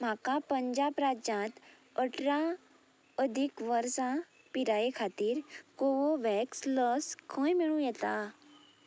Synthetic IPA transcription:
m̤akapə̃ɲd͡ʒaːbɾad͡ʒãːt̪ | əʈʰɾã | əd̪ʱikʋəɾsã | piɾaːekʰaːt̪iːɾkoʋoʋɛksləskʰõjmiɭũjɛt̪a

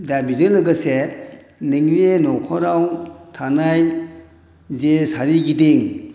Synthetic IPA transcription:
dabizɯnlɯɡase | niŋɾenɔkʰɔɾawtʰanaj | zesaɾiɡideŋ

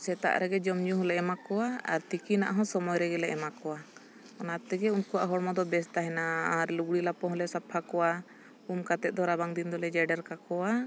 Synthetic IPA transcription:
sɛt̪a̰ʔɾɛɡɛd͡ʒɔmd͡ʒuɦɔlɛʔɛmakɔwaa̰ɾt̪ikinaʔɦɔ̃sɔmɔjɾɛɡɛlɛʔɛmakɔwa | ɔnat̪ɛɡɛunkɔwaʔɦɔɽmɔd̪ɔbɛs̬t̪aɦɛnaaɾluɡɽilapɔ̃ɦɔlɛsapʰakɔwa | umkat̪ɛt̪̚d̪ɔɾabaŋd̪ind̪ɔlɛd͡ʒɛɖɛɾkakɔwa

